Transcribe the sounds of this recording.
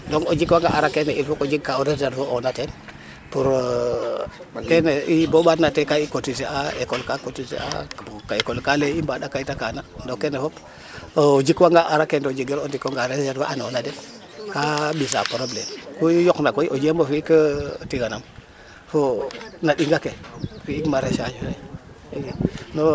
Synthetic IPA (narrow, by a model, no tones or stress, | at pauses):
doŋo̰d͡ʒikwaŋɡaʔa̰ɾakeneilfokod͡ʒikkaoɾezeɾvoonaten | puɾ | keneiboɓatnatekaikotiseaekolkakotisḛa̰kaekolkaleimbaɗakaitakanadokːenefop | od͡ʒikwaŋɡaʔaɾakendod͡ʒiɡeɾondikoŋɡaɾezedwa̰ʔanonaden | kabis̬a̰poɾoblekuijoknakoiʔod͡ʒembofiikətiɡanam | fonaɗiŋɡakefiikmaɾeʃaʃiɾei | no